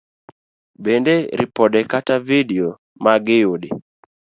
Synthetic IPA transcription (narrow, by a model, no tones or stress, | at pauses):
bendeɾɪ̰pɔdɛkatavidio | maɡɪjodɪ